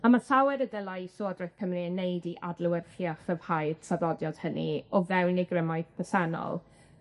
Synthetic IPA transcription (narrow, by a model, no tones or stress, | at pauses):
amasawɛɾədəlˠasoːdrɔjθpʰəmninːejdiʔadlˠʊwərχiaχəv̥hajd̥saðɔdjɔd̥hənḭɔvɛwneɡrɪmaɨðpʰəsɛnɔ̰lˠ